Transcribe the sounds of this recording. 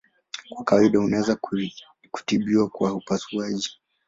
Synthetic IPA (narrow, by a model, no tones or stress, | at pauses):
kwakawaiɗahunaɛza | ku̥tiɓiwakwaupasuaʄi